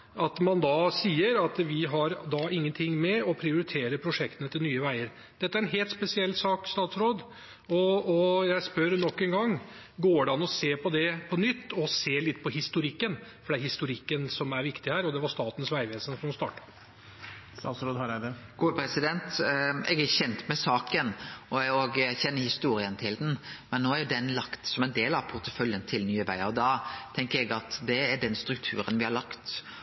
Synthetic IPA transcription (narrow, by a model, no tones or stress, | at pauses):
ɑt̪mɑnd̪ɑsiːəɾɑt̪ʋɪɦɑɾd̪ɑːɪŋːənt̪ʰɪŋːmɛɔpʰɾɪʊɾɪt̪ʰeːɾəpʰɾʊʂɛkt̪ənət̪ʰɪlnyːəʋæɪəɾ | d̪̥ɛt̪ːæɾɛnɦeːlt̪spɛsɪɛlːsɑːkst̪ɑːt̪sɾoːd̪ | ɔɔjæɪspœɾnɔkːɛŋɡɑŋː | ɡoːɖɑnɔseːpʰɔd̪ɛpʰɔnʏt̪ːɔseːlɪt̪ːpʰɔhɪst̪ʊɾɪkːənfɔɖɛæhɪst̪ʊɾɪkːənsɔmæɾʋɪkt̪ɪhæːɾɔd̪ɛʋɑʂt̪ɑːt̪ən̩sʋæɪʋeːsənsɔmɔst̪ɑ̰ːʈə̥ | sɑsɾɔːd̪hɑɾæd̪əɡ̥uːəpʰɾɛsɪd̪ɛnt̪ɛɡæɾçɛnt̪mɛsɑːkənɔɔɡçɛnːəɾhɪst̪uːɾɪənt̪ʰɪld̪n̩mɛnːoːæɾjd̪ɛnlɑkt̪sɔmɛnd̪eːlɑʋpʰʊɾt̪ə̥fœljənt̪ʰɪlnyːəʋæ̰ɪəɔd̪ɑt̪ʰɛŋkəɾɛɡɑt̪d̪ɛæɖɛnst̪ɾʉk̚t̪ʰʉ̰ːɾənʋɪhɑɾɭɑkt̪